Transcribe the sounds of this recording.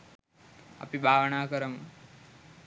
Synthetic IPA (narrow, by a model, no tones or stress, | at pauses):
a̰pibʱaːʋəɳaːkəɾəm